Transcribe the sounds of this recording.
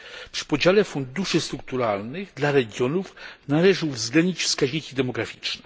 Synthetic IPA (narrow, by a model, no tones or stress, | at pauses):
pʂɘ̥pɔd͡ʑalɛfund̪uʂɘst̪ɾuk̚t̪uɾalnɘɣd̪laɾɛɡʲjɔnufnalɛʐɘuvzɡlɛnd̪ɲit͡ɕfskaʑɲikʲid̪ɛmɔɡɾafʲi̥t͡ʂnɛ